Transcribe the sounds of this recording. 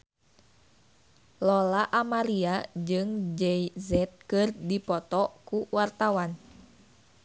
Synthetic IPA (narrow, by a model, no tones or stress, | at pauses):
lɔlaʔamaɾiad͡ʒɨŋd͡ʒɛjzɛt̪̚kɨrdipɔt̪ɔkuwart̪awan